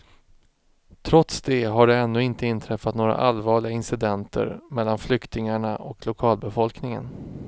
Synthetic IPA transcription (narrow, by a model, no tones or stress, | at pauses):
t̪ʰɾɔt̪sd̪ɛɦaɖɛɛnːɵɪnt̪əɪnt̪ʰɾɛfːat̪noːɾa̰ʔalvɑːɭɪɡaɪnsɪd̪ɛnt̪ʰə̰ɾmɛlːanflʏkt̪ɪŋaɳaʔɔklʊkʰɑːlbɛfɔlknɪŋə̰n